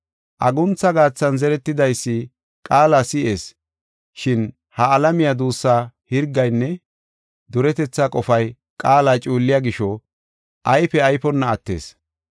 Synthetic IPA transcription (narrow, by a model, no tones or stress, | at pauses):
ʔɐɡʊnt͡sːɐɡaːt͡sːɐnzɛɾɛt̪ːɪd̪ɐjsːɪ | kʼaːlasɪʔe̞ːs | ʃɪn | hɐːlɐmɪjɐd̪uːsːaːhɪɾɡːɐjnːɛ | d̪ʊɾɛt̪ɛt͡sːakʼɔfɐj | kʼaːlaːt͡ʃʼuːlːɪjɐɡɪʃɔ | ʔɐjfɛɐjpɔnːɐːt̪ːḛːs